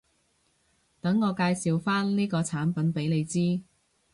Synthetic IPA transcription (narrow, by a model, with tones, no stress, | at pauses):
t̪ɐ˨˥ŋːɔː˨˧kaː˧jsiː˨wfaː˥nliː˥kɔː˧t͡sʰaː˨˥npɐ˨˥npe˨˥jle˨˧jt͡siː˥